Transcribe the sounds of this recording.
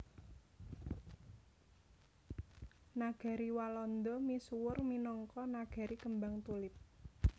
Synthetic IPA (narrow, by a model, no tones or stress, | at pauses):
naɡ̥a̤ɾiwalɔnd̪ɔmisuwʊrminɔŋkɔnaɡ̥a̤ɾikəmbaŋt̪ulɪp̚